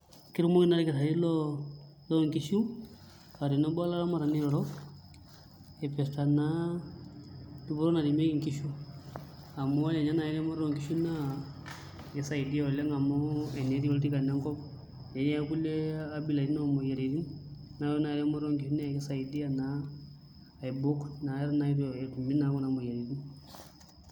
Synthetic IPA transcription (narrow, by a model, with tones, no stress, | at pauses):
ki˦ɾmɔ˦ki˦na˦ɾi˦kɛ˨sa˨ɾi˦lɔ˦ | lɔ˦˨ŋki˨ʃu˦ | a˨ɾi˨nɔ˦bɔ˦la˦lɔ˦ma˨ɾa˨ni˦ɔ˨ɾɔ˦ | ɛ˨pɛ˨sta˨na˦ | ti˦bɔ˦ɾɔ˦na˨ɾi˨me˦i˦˨ŋki˦ʃu˦ | a˨mɔ˦a˦lɛ˨ɲa˦na˨ɛ˦ɾɛ˦mɔ˦ɾɔ˦˨ŋki˨˦ʃu˦na˦˨ | kɛ˦sa˦˨i˨di˦ɔ˨lɛ˦ŋa˨mɔ˦ɛ˨ne˨˦ɾi˦ɔ˦lti˦ka˨nɛ˦ŋkɔ˦b | e˨ɲɛ˦ku˦lɛ˦a˦bi˨la˨i˦nɔ˦˨mɔ˨je˨ɾi˨ɾi˦nː | a˨˦ɾɔ˦na˨ɾɛ˦mɔ˦ɾɔ˦ŋki˨ʃu˦na˦˨kɛ˦sa˨i˨di˦a˨naː˦˨ | jbu˦kna˨ɛ˦ɾa˦na˨˦i˦ɾɔ˨ɛ˨tu˨mi˦na˨˦kɔ˦na˨mɔ˨ja˨ɾi˨ɾi˦n